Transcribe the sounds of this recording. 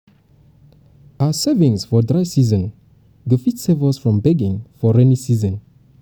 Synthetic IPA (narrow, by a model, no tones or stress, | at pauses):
asɛvĩŋsfɔdɹaɪsizə̃n | ɡəfitsɛvəsfɹɔ̃mbɛɡĩŋfɔɹɛnisizə̃n